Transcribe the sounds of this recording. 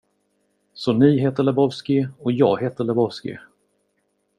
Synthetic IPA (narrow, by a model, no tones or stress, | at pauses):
sɔniɦeːt̪əɭɛbɔvskɪɔjɑ̰ːɡheːt̪əɭɛbɔvskɪ̰